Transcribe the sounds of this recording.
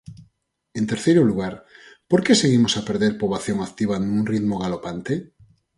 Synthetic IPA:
ent̪eɾθejɾoluɣ̞aɾpoɾkeseɣ̞imosapeɾðeɾpoβaθjoŋak̚t̪iβ̞anũŋrit̪moɣ̞alopant̪e

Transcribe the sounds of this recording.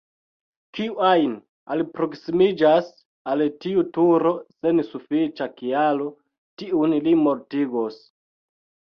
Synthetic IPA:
kiajn | alpɾo̞ksimid͡ʒas | altiutuɾo̞sensufit͡ʃakialo | tiunlimo̞ɾtiɡos

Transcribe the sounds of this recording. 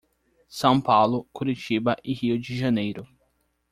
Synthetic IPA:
sɐ̃w̃pawlʊkuɾit͡ʃibɐʔɪhiʊd͡ʒɪʒɐnejɾʊ

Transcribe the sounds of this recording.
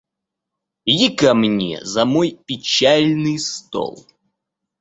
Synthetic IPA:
jikɐmnʲḛzɐmojpʲɪt͡ɕælʲnɨjst̪o̰lˠ

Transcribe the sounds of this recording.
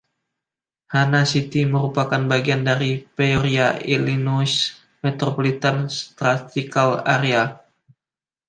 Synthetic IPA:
hanasit̪iməɾupakanbaɡiandaɾipeoɾiailinus | met̪ɾopolit̪anst̪ɾat̪ikala̰ɾia

